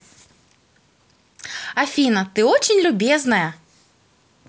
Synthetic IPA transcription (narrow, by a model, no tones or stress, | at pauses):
afʲinɐt̪ɨɔt͡ɕɪnʲlʲʊbʲɛznɐjɐ